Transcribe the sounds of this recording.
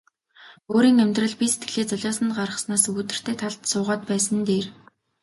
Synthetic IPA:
oːɾiːŋæmʲt̪rə̆ɮpiset̪ɡɘ̆ɮeːt͡sɔɮʲɔːsə̆nɢarə̥̆snaːsut̪ɘ̆r̥t̪ʰeːt̪ʰaɮt̪sʊːʁaːt̪pæːsə̆nt̪eːr

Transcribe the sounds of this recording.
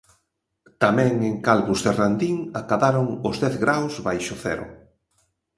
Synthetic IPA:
t̪amɛ̃ŋeŋkalβuzðerand̪iŋakaβaɾʊŋʊzðɛθɣɾawzβajʃʊθɛ̰ɾʊ̰

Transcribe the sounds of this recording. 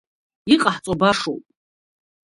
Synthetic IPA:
iqʼaħt͡sʼabaʂo̰wpʼ

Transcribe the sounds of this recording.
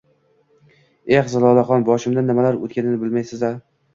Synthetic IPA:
eχzalˠɒlˠaχɒnbɒʃɪmd̪anːɪmalaɾo̰t̪̚kʲanɪnɪbɪlmajsɪza

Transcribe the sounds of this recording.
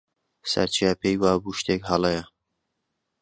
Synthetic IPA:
sɐ̰ɾt͡ʃʰijapʰejwaːbuʃt̪ekɦɑlˠejɐ

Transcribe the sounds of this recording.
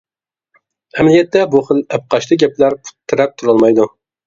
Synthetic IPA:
ɛmlɪjʲɛt̪ːɛbuχəlɛp̚qʰɑʃlˠɨɡʲɛplæɾpʰu̥t̪ʰːɨɾɛp̚t̪ʰuɾɑlˠmɑjd̪u

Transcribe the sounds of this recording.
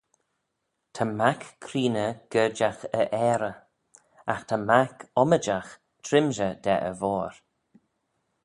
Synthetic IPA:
t̪ʰəmakkʰːɾiːnəɡ̥əd͡ʒaxəʔɛːɾə | axt̪ʰamakɔməd͡ʒax | tʰɾɪmʒəd̪ɛ̰ʔə̰vɔːɾ

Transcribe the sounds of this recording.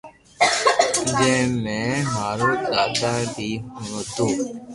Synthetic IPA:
d͡ʒẽːmɛ̃ːɦaːɾõːd̪aːd̪aːbʱiːɦõːd̪ũː

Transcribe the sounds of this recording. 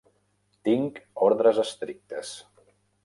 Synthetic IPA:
t̪iŋkɔɾðɾəzəst̪ɾik̚t̪əs

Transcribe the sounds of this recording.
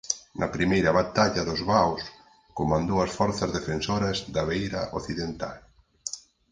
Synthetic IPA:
nʔɐpɾimejɾɐβat̪aʎɐðʊzβaws | komãnd̪owɐsfɔɾθɐzðefensoɾɐzðɐβejɾɐʔoθiðent̪al

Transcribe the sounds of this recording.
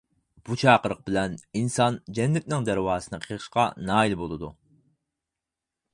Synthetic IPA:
b̥ut͡ʃʰɑːqəɾəq̚bɪlɛninsɑnd͡ʒɛnːɛt̪̚nɪŋd̪æɾwɑːsɨnɨqʰəʁɨʃqɑ̰nɑːilbolˠɨd̪ṵ

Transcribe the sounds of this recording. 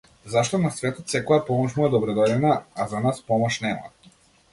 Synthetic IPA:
zaʃt̪ɔnasvɛt̪ɔt̪sɛkɔjapɔmɔʃmuɛd̪ɔbɾɔd̪ɔd̪ɛnaazanaspɔmɔʃnɛma̰

